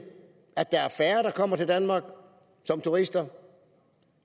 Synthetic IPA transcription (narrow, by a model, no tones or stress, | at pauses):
æd̥ːɑ̈æɐfæːɐɾ̥ɑ̈kʰɒ̽m̰ɐt͡sʰe̝ld̥ænmɑ̈ːɡ̥ | sɒ̽mt͡sʰuʁisd̥ɐ